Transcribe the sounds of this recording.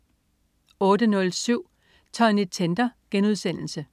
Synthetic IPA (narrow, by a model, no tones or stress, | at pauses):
ɔ̽ːd̥ənɔ̽lsyʊ̰ | t͡sʰɑ̰̈e̝nit͡sʰend̥ɐɡ̥enuð̞ˠsen̰l̩sə